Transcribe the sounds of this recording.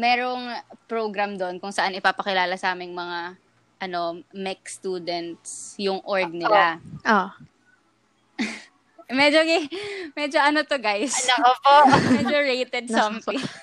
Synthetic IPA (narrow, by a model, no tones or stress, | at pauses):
mɛːɾoŋpɹoɡɾɐmd̪onkʊŋsɐʔanɪpaːpɐkɪlaːlɐsɐʔaːmɪŋmɐŋa | ʔɐno̞mɛk̚st̪uːd̪ɛnt̪sjʊŋʔoɹɡ̚nɪlaʔo | mɛd͡ʒoɡɪmɛd͡ʒoʔɐnot̪oɡajslɐkopomɛd͡ʒoɹejt̪ɛd̪̚sompi